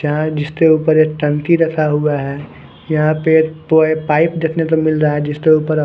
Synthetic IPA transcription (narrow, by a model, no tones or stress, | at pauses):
d͡ʒɐɦãd͡ʒɪst̪euːpəɾekʈə̃nt̪iɾɐkʰaɦuaɦɛ | jɐɦãpepːepaːɪpd͡ʒ̪ekʰnet̪omɪlɾaaɛd͡ʒɪst̪euːpəɾ